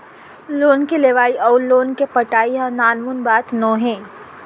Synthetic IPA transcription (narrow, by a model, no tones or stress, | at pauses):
loːnkeleːʋaːiʔɔːɾloːnkepəʈaːiɦãnaːnmunbaːt̪nõːɦẽː